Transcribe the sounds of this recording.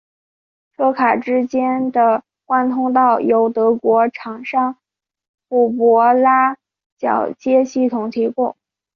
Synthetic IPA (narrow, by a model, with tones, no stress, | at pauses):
ʈ͡ʂʰɤ˥˩kʰa˨˩ʈ͡ʂɻ̩˥t͡ɕjɛ˥nd̪ə˨ | kwa˥nt̪ʰʊ˥ŋt̪̬ɑ˥˩ʊjo˧˥ʊt̪ɤ˧˥kwɔ˧˥ʈ͡ʂʰɑ˨˩ŋʂɑ˥ŋ | pu˨˥˩pwɔ˧˥la˥ | t͡ɕjɑ˨˩ʊt͡ɕjɛ˥ɕi˥˩t̪ʰʊ˨˩ŋt̪ʰi˧˥pu˥˩